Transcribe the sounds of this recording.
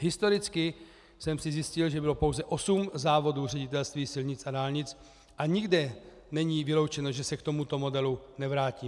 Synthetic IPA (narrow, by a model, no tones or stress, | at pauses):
ɦɪst̪o̞ɾɪt͡skɪ | sɛmsɪzjɪscɪlʒɛbɪlo̞po̞wzɛʔo̞sumzaːvo̞duːr̝ɛɟɪt̪ɛlst̪viːsɪlɲɪt͡sadaːlɲɪt͡s | ʔaɲɪɡdɛ | nɛɲiːvɪlo̞wt͡ʃɛnoʒɛsɛkt̪o̞mut̪o̞mo̞dɛlunɛvɾaːciː